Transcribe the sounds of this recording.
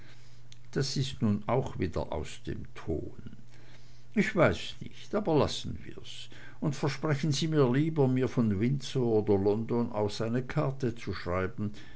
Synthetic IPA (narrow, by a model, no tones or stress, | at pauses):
d̥asɪstnuːnaʊxviːdɐ̰ʔa̰ʊsd̥ḛːmtʰo̰ːn | ʔɪçv̥aɪssnɪ̰çtʔaːbɐla̰sn̩vḭːɐs | ʊntfɛɐʃpʁ̥ɛçən̩ziːmiːɐliːbɐmiːɐfɔnvɪnt͡sooːdɐlɔndona̰ʊfz̥aɪnəkʰaɐtət͡suʃʁ̥aɪbn̩